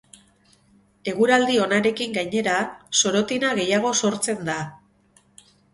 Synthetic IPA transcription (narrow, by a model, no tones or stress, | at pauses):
e̞ɣuɾald̪io̞naɾe̞kiŋɡajɲe̞ɾaso̞ɾo̞t̪inaɣe̞jaɣ̞o̞so̞ɾt͡se̞nd̪a